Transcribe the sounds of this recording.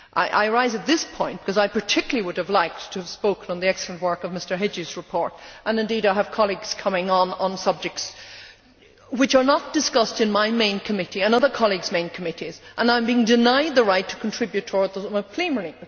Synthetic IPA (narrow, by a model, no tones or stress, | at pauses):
ʔa̰ɪʔa̰ɪə˞aɪzɨt̪̚ðɪspʰɔ̃ɪ̃nb̥ɪ̥kʰʌzaɪpʰə˞tʰɪkjl̩ˠiwʊɾɨvlaɪk̚tʰəːv̥spoʊkə̃nə̃nðiɛkslˠə̃nʔwɜ˞kʌvmɪstə˞ɦɪd͡ʒizɹɨpʰɔɹɾʔə̃nɨ̃ndiɾaɪɨv̥kʰɑlˠiɡz̥kʰʌmɪ̃ŋə̃nə̃nsʌb̚d͡ʒɨk̚ts | wɨt͡ʃə˞nət̚d̥ɨskʌstɨ̃nmaɪmẽɪ̃nkʰɨmɪɾiɨ̃nʌðə˞kʰɑlˠiɡzmẽɪ̃nkʰəmɪɾizʔə̃nãɪ̃mbiɪ̃ŋdɨnaɪd̪̚ðəɹaɪtʰə̥kʰn̩tʰɹ̥ɪbjʉtʰɔɹd̪zəməpʰl̥ĩmə˞i